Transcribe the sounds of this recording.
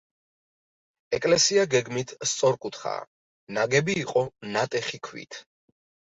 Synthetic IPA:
ɛkʼlɛsiaɡɛɡmit̪ʰst̪sʼɔɾkʼut̪ʰχa̰ː | naɡɛbiːqʼɔnat̪ʼɛχikʰwḭt̪ʰ

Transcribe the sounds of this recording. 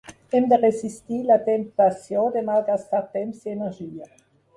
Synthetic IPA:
ɛmd̪əʁesist̪ilat̪ɛmt̪asjõd̪emalɡast̪aʁt̪ɛmsienɛʁʒiːə

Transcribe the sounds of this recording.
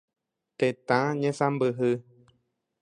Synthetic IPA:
t̪et̪ãɲẽsãmbɨɦɨ

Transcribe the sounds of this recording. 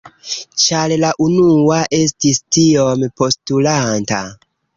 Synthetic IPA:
t͡ʃallaʔunuaʔe̞s̬tistio̞mpo̞stulanta̰

